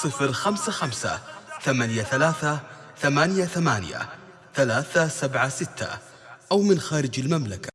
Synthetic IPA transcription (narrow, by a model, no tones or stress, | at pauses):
sˤɨfɾxamsaxamsa̰θamaːnjaθalaːθa | θamaːnjaθamaːn̰ja̰ | θalaːθasabʕasɪt̪ːa̰ | ʔawmɪnxaːɾɪd͡ʒalmamlaka